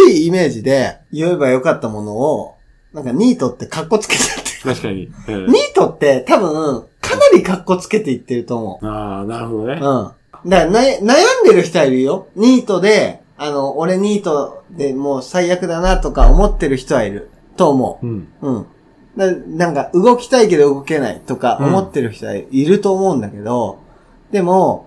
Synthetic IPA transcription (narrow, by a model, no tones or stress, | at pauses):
iiːme̞ːʑid̪e̞jɯ̟e̞bajo̞kat̪ːamo̞no̞ː | nãŋkaɲ̟ʲiːt̪o̞t̪ːe̞kakːo̞t͡sɨ̥ke̞t̪ḁt̪ːe̥t̪aɕkaɲiɲ̟iːt̪o̞t̪ːe̞t̪abɯ̟̃ | kʰanaɾʲikakːo̞t͡sɨ̥ke̞t̪e̞it̪ːe̞ɾɯ̟t̪o̞ːmo̞̰anaɾɦod̪oɯ̟̃ːɴ | d̪anajnajãnd̪e̞ɾɯ̟çi̥t̪o̞aiɾɯ̟jo̞ɲ̟iːt̪o̞d̪e̞ | ano̞ːɾe̞ɲ̟iːt̪o̞d̪e̞mo̞ːsaijakɯ̟d̪anat̪o̞kaomo̞t̪ːe̞ɾɯ̟çi̥t̪o̞βaiɾɯ̟ | t̪o̞ːmo̞̰ɯ̰ɯ̟̃ːɴ | d̪anãŋkaʔɯ̟ɡo̞kʲi̥t̪aike̞d̪o̞ɯ̟ɡo̞ke̞na̰ḭt̪o̞ka̰ʔo̞mo̞t̪ːe̞ɾɯ̟çi̥t̪o̞βa̰iɾɯ̟t̪o̞ːmo̞ɯ̟̃nd̪ake̞d̪o̞ | d̪e̞mo̞